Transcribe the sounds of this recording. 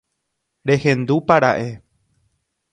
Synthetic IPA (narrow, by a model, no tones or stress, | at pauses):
ɾe̞hẽ̞nd̪upaɾa̰ʔe̞